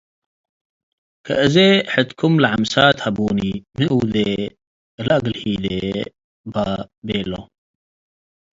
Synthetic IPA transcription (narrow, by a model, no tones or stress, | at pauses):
kʰɐ̰ʔəzeħət̪kʰumlʕamsaːt̪hɐbuːnimiʔuːd̪e | laɡəlhiːd̪e | babelo